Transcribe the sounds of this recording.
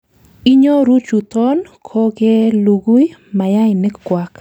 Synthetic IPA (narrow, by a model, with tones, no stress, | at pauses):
i˦ɲo˦ɾu˦t͡ʃu˨t̪ɔ˦nkʰo˦ke˦lu˨ɡu˦jma˨ja˦ɪ˨nɪ˦kkwa˦k